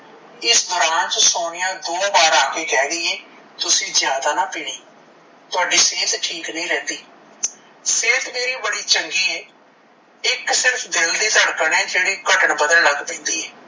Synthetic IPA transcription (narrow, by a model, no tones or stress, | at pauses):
ɪsd̪ɔːɾaːnt͡ʃəsoːɽɪjãːd̪oːbaːɾaːkeːkɛːd̪iːɛː | t̪ʊsĩːzjaːd̪aːnaːpɪːɽ̃iː | t̪aːɖiːseːt̪ʈʰiːknəĩːɾɛ̃ːnd̪iː | seːt̪meːɾiːbəɽiːt͡ʃəŋɡiːɛː | ɪksɪɾpʰd̪ɪld̪iːt̪əɽkənɛ̃ːd͡ʒeːɽiːkəʈəɳbəd̪əlləɡpẽːnd̪iːɛː